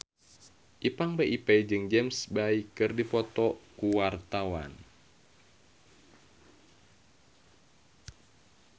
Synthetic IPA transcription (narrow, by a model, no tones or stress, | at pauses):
ʔipaŋbaʔipɛjd͡ʒɨŋd͡ʒɛmsbaikɨrdipɔt̪ɔkuwart̪awa̰n